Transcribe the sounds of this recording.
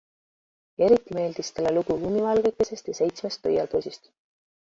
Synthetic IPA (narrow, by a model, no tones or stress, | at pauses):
e̞ɾit̪ːˑime̞ːld̪̥ist̪eleluɡ̥uumivɑlɡ̥ek̪ːˑese̞st̪jɑse̞jt̪sme̞st̪ːɤjɑld̪osʲist̪